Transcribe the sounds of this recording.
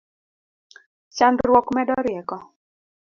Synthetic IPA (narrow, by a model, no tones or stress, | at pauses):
t͡ʃandɾwɔkmɛdɔɾjɛkɔ